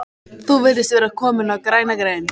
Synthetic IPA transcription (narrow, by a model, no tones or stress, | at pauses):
θuvɪlt̪ɪst̪vɛːɾakʰɔːmɪnakɾajnaɡɾɛjn